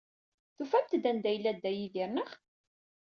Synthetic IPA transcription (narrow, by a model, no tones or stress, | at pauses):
θufæmt̪d̪ænd̪æjlːæd̪ːæjiðiɾnəχ